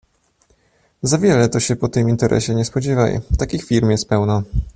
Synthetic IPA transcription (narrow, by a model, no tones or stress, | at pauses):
zavʲjɛlɛt̪ɔɕɛpɔt̪ɘmint̪ɛɾʔɛ̰ɕɛɲɛspɔd͡ʑɛva̰j̰t̪akʲixfʲiɾmjɛst̪̚pɛwna